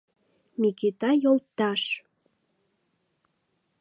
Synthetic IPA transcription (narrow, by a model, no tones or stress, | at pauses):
miket̪ɑjolt̪ɑʃ